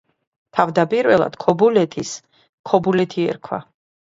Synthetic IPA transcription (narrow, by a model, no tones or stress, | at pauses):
t̪ʰavd̪apʼiɾvɛlˠa̰d̪̥kʰɔbulɛt̪ʰis | kʰɔbulɛt̪ʰiɛ̰ɾkʰwa̰